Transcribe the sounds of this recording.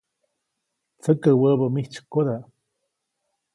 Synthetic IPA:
t͡səkəwəbəmiht͡ʃkod̪a

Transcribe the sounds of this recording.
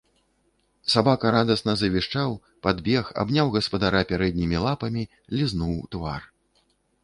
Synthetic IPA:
sabakɐɾad̪ɐsnɐzɐvʲiʂt͡ʂaw | pad̪bʲɛxa̰bnʲawɣɐspɐd̪aɾapʲaɾɛd̪̚ʲnʲimʲilˠapɐmʲi | lʲiznuwt̪va̰r

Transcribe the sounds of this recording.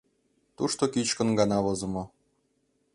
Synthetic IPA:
t̪uʃt̪okit͡ɕkɤ̆nɡɑnɑβɤzɤ̆mɤ̆

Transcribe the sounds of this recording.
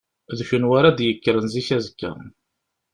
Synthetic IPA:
ðʃənwaɾad̪jəkːəɾənziçæzəkːæ̰ɾˤn

